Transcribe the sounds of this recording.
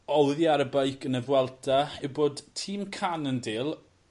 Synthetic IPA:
ɔwðjaɾəbəjkʰənəðwɛlˠtʰaɪboːd̥tʰiːmkʰanəndɪːlˠ

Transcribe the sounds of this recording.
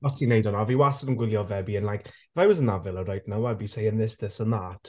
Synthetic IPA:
ɔstʰinejdɔnaviwasənənɡwɪlˠjɔvɛbiənlˠajk | ɪvajwɔzənavɪlˠəɾajt̚nawɛbisejə̃nðɪsðɪsənðatʰ

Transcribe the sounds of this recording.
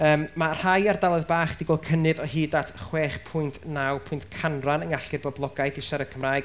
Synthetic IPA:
əːmmar̥hajardalˠɔðbaːχd̥iɡɔlkʰənɨðɔhiːdatʰχwɛːχpʰʊɨntʰnawpʰʊjntkʰanranəŋaɬɪrbɔblˠɔɡajdɪʃaɾəkʰəmraːɨɡ

